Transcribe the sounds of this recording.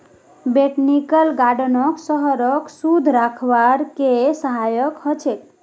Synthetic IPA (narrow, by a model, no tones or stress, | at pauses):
beʈnikəlɡaɖənʌksəɦəɾəksud̪ʱɾakʰwaɾkesəɦajəkhɔt͡ʃʰet̪